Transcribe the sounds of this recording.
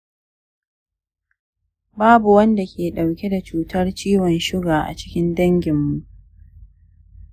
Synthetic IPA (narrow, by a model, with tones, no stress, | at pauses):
baː˦bu˨wɐ˦nda˨kʲeː˨ɗa˨wkʲe˦da˨t͡ʃuː˨tɐ˦rt͡ʃiː˦wɔ˨nʃʊ˦ɡaː˨ʔa̰˨t͡ʃɪ̥˦kʲɪ˦ndɐ˦ŋɡʲɪ˨mːu˨ʔ